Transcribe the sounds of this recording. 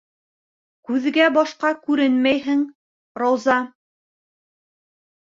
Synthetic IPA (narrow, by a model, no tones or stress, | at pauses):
kʉðɡæbɑʃqɑkʉɾɘnmæjɦɘŋ | rɑwzɑ